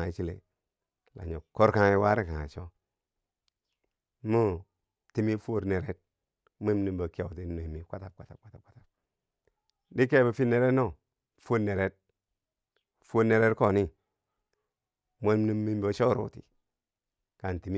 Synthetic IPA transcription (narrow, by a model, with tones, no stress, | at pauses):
i˨t͡ʃi˦lḛ˨ | la̰˨ɲo˨ko˦ɾka˦ŋi˦wa˦ɾi˦ka˨ŋa̰˨t͡ʃo˦ | mo˦ | ti˦mi˦fo˦˨ɾne˨ɾe˦t̚ | mo˦mni˨mbo˨ke˨ti˦no˨mi˨kʷa˦ta˨p̚kʷa˨ta˨kʷa˦ta˨p̚kʷa˦ta˨b̚ | di˦k̬e˦bo˨fi˦ne˨ɾe˦no˦˨ | fu˦ne˨ɾe˦t̚ | fo˦ɾne˨ɾe˦tko˦˨ni˦ | mo˦mni˦mːi˦m˦bo˦t͡ʃo˦ɾṵ˨tḭ˨ | ka˨n˨ti˨mi˦